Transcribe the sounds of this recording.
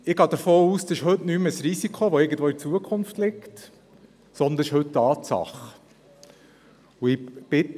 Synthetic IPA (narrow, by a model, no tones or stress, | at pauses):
ɪɡɑːd̪əɾfoːuːsdɑsɪʃɦɵtnyːməsɾisikʰoʋɔɪɡən̩t̪ʋoːit͡suəkʰʊnftlɪkt | sɔnd̪əʃhɵttːɑːt̪sɑ̰χ | uɪb̥ɪt